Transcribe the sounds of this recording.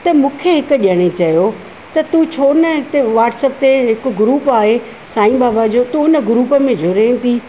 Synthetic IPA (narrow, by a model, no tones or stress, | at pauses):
t̪ɐmũːkʰeɦɪkʊ̆ʄɐɽ̃et͡ɕɐjo | t̪ɐt̪ut͡ɕʰoːnəɪt̪eʋaːʈsəpt̪eɦɪkɡɾuːpaːɦe | saːĩbaːbad͡ʑoːt̪ũʊnə̆ɡɾuːpəmẽd͡ʑʱʊɾẽːnt̪ʰi